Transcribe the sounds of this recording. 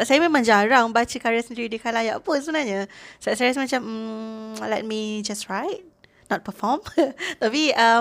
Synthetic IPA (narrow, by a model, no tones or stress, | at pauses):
sajmẽmãŋd͡ʒaɾaŋbat͡ʃəkaɹiasəndiɾidikalajaʔpunsəbənaɲasasaɾasmat͡ʃãm | lɛt̚mid͡ʒastɹajt̚ | nɔt̚pəfɔmt̪apia